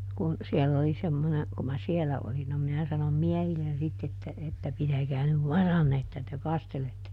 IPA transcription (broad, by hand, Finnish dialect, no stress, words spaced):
kun siɛlː oli semːone ku mæ sielæ olin no minæ sɑnom miɛhilːen sitː etːæ etːæ pitækæː nyʋ ʋɑrɑnːe etːæ te kɑsteletːe